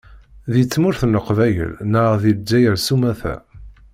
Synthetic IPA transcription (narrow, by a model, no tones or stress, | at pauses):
ðit͡sːmʊɾθnːəqvæjə̰lnəʁðild͡ʒæjəɾsumæθæ̰